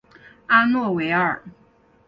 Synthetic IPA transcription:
a˥nwɔ˥˩we˧˥ɪə˞˨˩˦

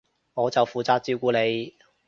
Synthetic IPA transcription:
ŋɔː˨˧t͡sɐ˨wfuː˨t͡saː˧˥t̚t͡siː˥wkuː˨˧ne˨˧j

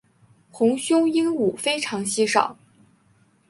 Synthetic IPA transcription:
xʊ˧˥ŋɕjʊ˥ŋi˥nu˨˩fe˥ɪʈ͡ʂʰɑ˧˥ŋɕi˥ʂɑ̰˨˩˦ʊ

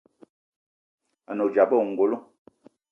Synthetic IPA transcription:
a˨no˨d͡ʒa˨bo˦˨ŋ̩˨ɡo˨lo˦

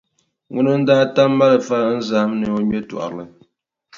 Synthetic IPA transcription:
ŋu˦nɨ˦n̩˦daː˦ta˦mː˦a˦lɨ˨fa˦n̩˦za˨˦mnɨ˨o˦ɲɛ˦tṵ˨ʔa̰˨lɨ˨

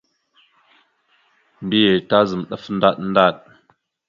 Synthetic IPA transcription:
m̩˨bi˦je˨ta˦zɨ˨mɗə˦fn̩˦da˦t̚n̩˦da˦˨t̚

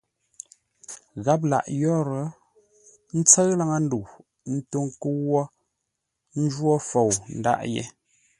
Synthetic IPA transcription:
ɣa˦p̬̚la̰˨ʔjɔ˦ɾə˨˦ | n̩˦t͡sə˦ɰla˦ŋa˦n̩˦du˨ | n̩˦to˦ŋkə˦wwːɔ˦ | n̩˦d͡ʒwɔ˦fo˨wn̩˦da̰˦˨ʔjɛ̰˦

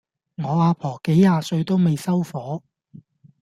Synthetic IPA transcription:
ŋɔː˨˧aː˨˧pʰɔː˨˩ke˨˥jːaː˨˧sɵ˧ɥt̪o˥wme˨jsɐ˥wfɔː˨˥

